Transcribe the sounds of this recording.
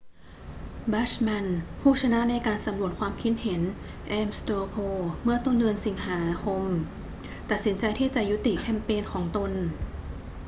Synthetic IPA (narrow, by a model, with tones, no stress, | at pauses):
ba˦˥t͡ɕma˧npʰuː˥˩t͡ɕʰa˧na˦˥ʔna˧jkaː˧nsa˨˩˦mnu˨˩ət̪̚kʰwaː˧mkʰi˦˥t̪̚he˩˦n | ʔɛː˧mst̪oː˧pʰoː˧mɯ˥˩ɐt̪o˧˥˩ndɯ˧ənsi˩˦ŋhaː˩˦kʰo˧m | t̪a˨˩t̪̚si˩˦nt͡ɕa˧jt̪ʰiː˥˩t͡ɕa˨˩ju˦˥t̪i˨˩kʰɛ˧˩mpeː˧nkʰɔː˩˦ŋt̪o˧n